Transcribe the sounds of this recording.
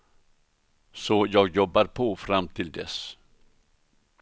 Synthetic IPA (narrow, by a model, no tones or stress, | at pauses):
sɔjɑːɡjɔbːaɾpʰɔfɾamːt̪ʰɪld̪ɛ̰s